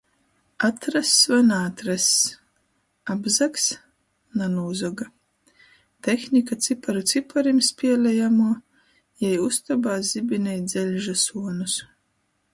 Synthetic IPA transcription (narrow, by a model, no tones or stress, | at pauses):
at̪ɾasvanaːt̪ɾas | abzaks | nanuːzɔɡa | t̪exnʲikat̪sipaɾut̪sipʰaɾimspʲiɛlʲɛjamuɔ | jɛjust̪ɔbaːzibʲinʲɛjd̪zɛlʲʒasuɔnus